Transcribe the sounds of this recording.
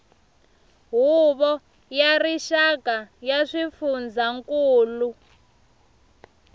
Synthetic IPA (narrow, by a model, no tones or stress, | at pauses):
ɦuβɔ | jariʃakajaʂifund͡zaŋkuːlu